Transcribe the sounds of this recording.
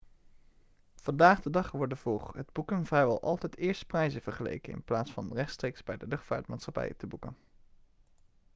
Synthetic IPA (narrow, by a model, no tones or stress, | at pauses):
v̥ɑndaːχdədɑχʋɔɹdəvoχɦədbukənvrɛjʋɛlˠʔɑ̰lˠtɛjtɪːɹstə̥prɛjzəv̥əɹχəlḛjkənɪ̰nplaːtsfɑ̰nrɛχtstrejkzbɛjdəlɵχtfa̰ːɹtmaːtsχɑpɛ̰jə̰təbukə̰n